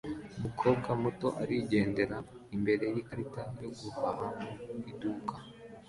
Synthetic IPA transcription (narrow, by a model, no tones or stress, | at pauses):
umukʰo̞ːbɡamuto̞ʔaɾiɟe̞ːnde̞ɾa | imbe̞ɾe̞jikɾitajo̞ɡuhaɦaiduka